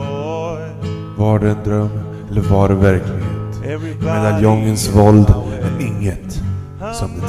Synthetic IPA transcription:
vɑːɖəɛnd̪ɾœmː | ɛlːəɾvɑːɾəvæɾklɪɡheːt̪ɪmɛd̪anjɔŋːənsvɔld̪æɾɪŋːət̪ | sɔmd̪ɛ

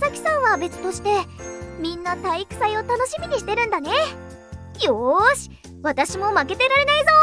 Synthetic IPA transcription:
sakʲi̥sãɰ̃βabe̞t͡sɨ̥t̪o̞ɕi̥t̪e̞mʲĩnːat̪aikɯ̟̥saio̞t̪ano̞ɕimʲiɲ̟iɕi̥t̪e̞ɾɯ̟̃nd̪ane̞ | joːɕi̥ | βat̪aɕimo̞make̞t̪e̞ɾaɾe̞naizo

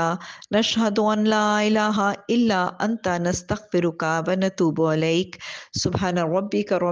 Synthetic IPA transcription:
anaʃhad̪ʔanlaːʔɪlaːɦaʔɪlːaːʔant̪anast̪ɐɣfɪɾʊkawɐnat̪uːbʕɪlejksʊbɦaːnaɾˤɑbːɪkaɾˤɑ

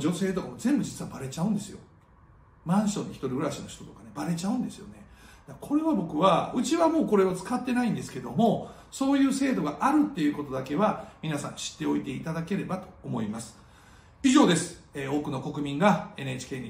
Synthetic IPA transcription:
d͡ʑo̞se̞ːt̪okaozẽ̞mbɯ̟d͡ʑit͡sɨβabaɾe̞t͡ɕaɯ̟̃nd̪e̞sɨjo̞̰ | mãɰ̃ɕõ̞niçi̥t̪o̞ɾʲiɡɯ̟ɾaɕino̞ɕi̥t̪ot̪o̞̥kane̞baɾe̞t͡ɕaɯ̟̃nd̪e̞sɨjo̞ne | d̪̥akʰo̞ɾe̞βabo̞kɯ̟βaɯ̟t͡ɕiβamo̞ːko̞ɾe̞ot͡sɨ̥kat̪ːe̞naĩnd̪e̞sɨ̥ke̞d̪o̞mo̞ | so̞ːjɯ̟ːse̞ːd̪o̞ɡaʔaɾɯ̟t̪ːe̞jɯ̟ːko̞t̪o̞d̪ake̞βamʲinasã̰ɕi̥t̪ːe̞o̞it̪eit̪ad̪ake̞ɾe̞bat̪o̞̥ːmo̞imasɨ̥ | iʑo̞ːd̪e̞sɨ̥eːo̞ːkɯ̟no̞ko̞kɯ̟mʲĩŋɡae̞nɯet͡ɕi̥ke̞ːɲʲi

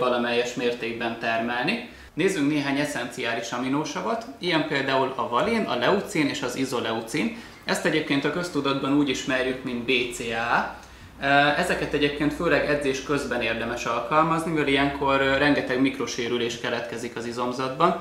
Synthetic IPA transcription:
ɒlɒmɛjːɛʃmeːrt̪eːɡ̚bɛnt̪ɛrmɛlni | neːzyŋkneːɦaːɲɛsɛnt̪siaːliʃɒminoːʃɒvɒt̪ijɛmpeːld̪aːulɒvɒlinɒ̰lɛut̪siːneːʃɒzizo̞lɛut̪siːn | ɛst̪ɛɟeːp̚keːnt̪ɒkø̞st̪ud̪ɒd̪bɒnuːɟiʃmɛrjykmind̪beːt̪seːaː | ɛzɛkɛt̪ɛɟeːp̚keːnt̪føːlɛɡɛd̪zeːʃkø̞zbɛneːrd̪ɛmɛʃɒlkɒlmɒznivɛlijɛŋko̞rːɛŋɡɛt̪ɛɡmikro̞ʃeːɾyleːʃkɛlɛt̪kɛzikɒzizo̞mzɒd̪bɒn

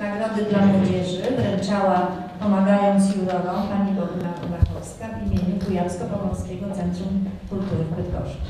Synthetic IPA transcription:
naɡɾɔd̪ɘd̪lamɔvʲɛʐɘvɾɛnt͡ʂawa | pɔmaɡajɔnt̪sjuɾɔvɔ̃paɲiɡɔd̪ɨnapumat̪ɔ̰fskavimʲjeɲufujafskɔpɔmɔfskʲɛɡɔt̪sɛnt̪ɾumkult̪uɾɘvbɘt̪ɡɔ̰ʐ

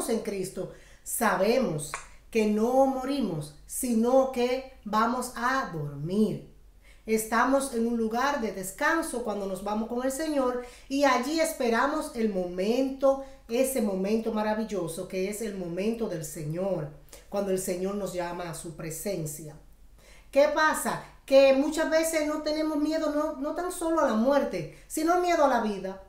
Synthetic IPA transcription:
se̞ŋkɾist̪o̞ | saβe̞mo̞ske̞nomo̞ɾimo̞sːino̞kebamo̞saðo̞ɾmiɾ | e̞st̪amo̞se̞ŋuŋluɣaɾðe̞ðe̞skanso̞kwand̪o̞no̞sβamosko̞ŋe̞lse̞ɲo̞ɾ | iaʝie̞spe̞ɾamo̞se̞lmõ̞mẽnt̪o̞ | e̞se̞mo̞mẽ̞nt̪o̞maɾaβiʝo̞so̞ke̞e̞se̞lmõ̞mẽ̞nt̪o̞ðe̞lse̞ɲo̞ɾkwand̪o̞e̞lse̞ɲo̞ɾno̞sʝamaːsupɾe̞se̞nsja | ke̞pasake̞mũt͡ʃazβe̞se̞sno̞t̪e̞nẽ̞mo̞smje̞ðo̞nono̞t̪aŋso̞lo̞alamwe̞ɾt̪e̞sino̞mje̞ðoalaβiða

